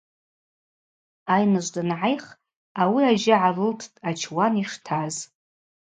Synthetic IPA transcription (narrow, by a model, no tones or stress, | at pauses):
ajnɨʒʷdɨnʕajχ | awiaʒɪʕarɨltʰtʼat͡ʃʰwaniʂtʰaz